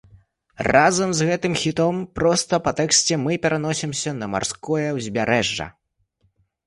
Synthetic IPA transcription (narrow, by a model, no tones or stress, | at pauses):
razɐmzɣɛt̪ɨmxʲit̪ɔmpɾɔst̪ɐpɐt̪ɛksʲt͡sʲɛmɨpʲɛɾan̪ɔsʲimsʲɐnɐma̰rskɔjɐwzʲbʲaɾʔɛʐːɐ̰